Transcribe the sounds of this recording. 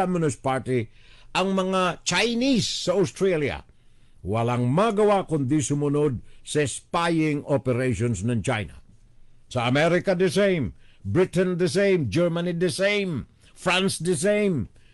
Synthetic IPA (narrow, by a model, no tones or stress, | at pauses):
amɪnʊspaɹt̪ɪ | ʔɐŋmɐŋat͡ʃajnisːɐawst̪ɾalja̰ | wɐlaŋmaɡɐwakʊnd̪isʊmʊnod̪̚sɐɪspajɪŋopɛɾejʃonsnɐŋt͡ʃa̰jna̰ | sɐːmɛɾɪkɐd̪ɛsẽjmbɹɪt̪ɛnd̪əs̬ẽjmd͡ʒɛɹmanid̪ɛsẽjm | fɹãnsd̪əs̬ejm